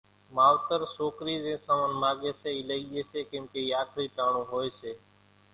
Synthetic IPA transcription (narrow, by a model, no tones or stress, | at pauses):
maːʋt̪əɾsoːkɾiːzẽːsə̃ːmənmaːɠeːseːiːləiːɗeːseːkẽːmkeːiːaːkʰɾiːt̪aːɳõːɦoːeːseː